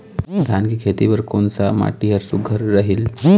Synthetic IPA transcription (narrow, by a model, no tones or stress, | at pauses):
d̪ʱjankikʰet̪iʋəɾkoːnsama̰ːʈiɦəɾsuɡʱəɾːəɦil